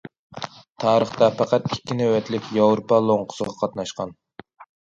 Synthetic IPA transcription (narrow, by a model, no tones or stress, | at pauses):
t̪ʰɑːɾəχt̪ɑpʰɑqɑt̪ikʲːinɛwɛt̪lɪkʲjɑwɾopɑlˠoɴqʰʊ̥sɨʁɑqʰɑt̪nɑʃqɑn